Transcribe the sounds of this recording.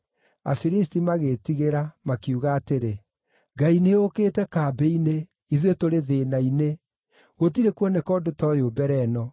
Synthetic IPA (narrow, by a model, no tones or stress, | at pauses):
a̰fiɾistimaɣetiɣeɾamakjuɣaːteɾe | ɡaineokeːtɛkaːbɛine | iðwetoɾeðeːnaine | ɣot̬iɾekwɔnekɔdotɔjoːbɛɾɛnɔ